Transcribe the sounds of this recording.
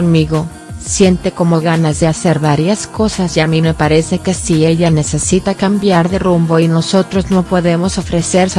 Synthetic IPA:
onmiɣo̞ | sje̞nt̪e̞ko̞mo̞lɣanazðe̞ase̞ɾβaɾjasko̞sazʝamime̞paɾe̞se̞kesie̞ʝane̞se̞sit̪akambjaɾðerumbo̞ino̞so̞t̪ɾo̞zno̞po̞ðe̞mo̞so̞fɾe̞se̞ɾs

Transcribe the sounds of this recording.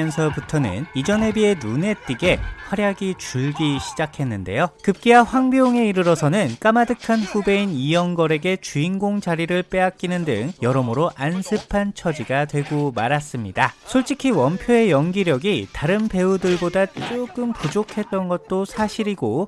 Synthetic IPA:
ʌnsʰʌputʰʌnɯ̰nid͡ʑʌne̞bie̞nune̞t͈iɡe̞ɸwaɾjaɡit͡ɕuɭɡiɕʰi̥d͡ʑakʰe̞nːɯnde̞̰jokɯp̚k͈iaɸwaŋbjoŋe̞iɾɯɾʌsʰʌnɯnk͈amadɯkʰanɸube̞inijʌŋɡʌɾe̞ɡe̞t͡ɕuinɡoŋd͡ʑaɾiɾɯɭp͈e̞ak͈̚inɯndɯ̰ŋjʌɾʌmɯɾoʔansʰɯpʰant͡ɕʰʌd͡ʑiɡatwe̞ɡomaɾas͈ɯmɲidasʰoɭt͡ɕ͈ikʰiwʌmpʰjoe̞jʌŋɡiɾjʌɡitaɾɯnpe̞udɯɭbodat͡ɕ͈oɡ͈ɯmpud͡ʑokʰe̞t̚t͈ʌnɡʌt̚t͈osʰaɕʰiɾiɡo

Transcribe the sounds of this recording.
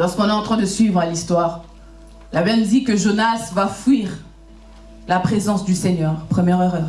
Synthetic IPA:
lɔʁskɔ̃nɛɑ̃t̪χɛ̃d̪əsɥivʁalist̪waːʁ | lavɛnd̪ikəʒonasvafwɥiʁ | lapχezɑ̃sd̪yseɲœːʁpχəmjɛʁøʁœʁ

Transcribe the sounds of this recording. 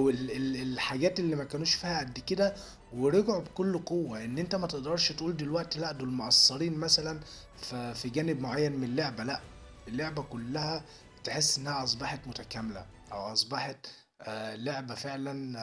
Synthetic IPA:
ʔwelelelħaɡæːt̪elːiːmækæːnuːʃfiːhæʔæd̪ːiked̪æ | weɾeɡʕubkolːqowːæʔenːʔent̪æmæt̪eʔd̪ɑɾˤʃt̪ʔuːld̪elwæʔt̪læʔd̪olmoʔɑsˤːɑɾiːnmæsælæn | fæfiɡæːnebmoʕajːænmenelːeʕbælæʔ | elːeʕbækolːæhæ | t̪eħesːʔenːæhæʔɑs̬ˤbɑħɑt̪mot̪ækæmelæ̰ | ʔæ̰wʔɑsˤbɑħɑt̪ | leʕbæfeʕlæn

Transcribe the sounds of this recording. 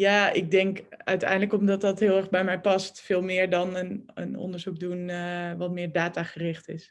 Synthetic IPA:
jaːɪɡ̚dɛŋkœ̰ɥtɛ̰jndələkɔmdɑtdɑtɦɪːlˠɛɹχbɛjmɛjpɑstfɪːlˠmɪːɹdɑnənə̰nɔ̰ndəɹzuk̚dunəʋɑtmɪːɹdaːtaːχərɪχtɪs

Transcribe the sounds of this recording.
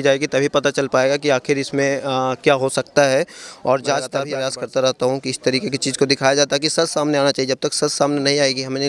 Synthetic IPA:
d͡ʒaːeːɡit̪ɐbʱipɐt̪at͡ʃɐlpaːeːɡakiaːxɪɾɪsmẽkjaːɦosɐkt̪aɦɛɔːɾd͡ʒaːt͡ʃt̪ɐbʱipɾejaːskɐɾt̪aɾɐɦt̪aɦũkiɪst̪ɐɾiːkekit͡ʃiːzkod̪ɪkʰaːjad͡ʒaːt̪aɦɛkisɐzsaːmneaːnat͡ʃaːied͡ʒɐb̚t̪ɐksɐzsaːmnenɐɦĩaːeːɡiɦɐmːe

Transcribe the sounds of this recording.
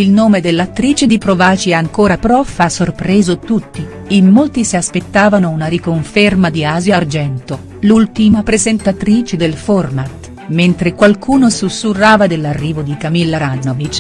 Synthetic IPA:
ilnoːmed̪elːat̪ːɾiːt͡ʃed̪ipɾovaːt͡ʃiɛaŋkoːɾapɾɔfːasorpɾɛːzot̪ut̪ːi | imːolt̪isiaspet̪ːaːvanounaɾikoɱfermad̪iaːzjard͡ʒɛnt̪o | lult̪imapɾezent̪at̪ɾiːt͡ʃed̪elfɔrmat̪ | ment̪ɾekwalkʰuːnosusːurːaːvad̪elːarːiːvod̪ikamilːaɾanːovit͡ʃː

